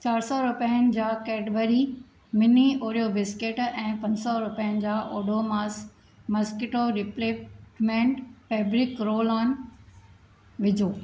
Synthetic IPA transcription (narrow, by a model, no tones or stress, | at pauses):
t͡ɕaːɾsɔɾʊpəənɪ̆d͡ʑaːkɛːɖʋəɾi | mɪnioːɾijobɪskeʈɛ̃ːpɐ̃ɲsɔɾʊpijənɪ̆d͡ʑaːʔoːɖʱomaːs | mɐskɪʈoɾɪpleːmẽɳʈfeːbɾɪkɾoːlɔːn | ʋɪd͡ʑʱoː